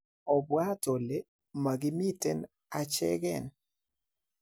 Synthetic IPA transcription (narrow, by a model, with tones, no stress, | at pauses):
ɔ˨bwa˦to˨le˦ | ma˨ɡɪ˦mi˦tɛ˦n | a˨t͡ʃɛ̰˦ɡɛ˨n